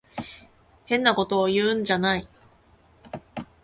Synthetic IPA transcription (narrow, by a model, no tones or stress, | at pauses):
hẽ̞nːako̞t̪o̞ːjɯ̟ːɯ̃ɲ̟d͡ʑanai